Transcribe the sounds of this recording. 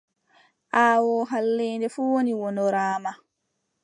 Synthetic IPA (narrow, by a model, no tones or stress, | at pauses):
ʔaːwɔːɦalːeːndɛfuwoniwɔnɔɾaːma